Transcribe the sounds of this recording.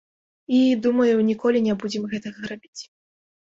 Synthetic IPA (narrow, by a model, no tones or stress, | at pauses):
id̪umɐjunʲikɔlʲinʲɛbud͡zʲɛmɣɛt̪ɐɣɐɾabʲit͡sʲ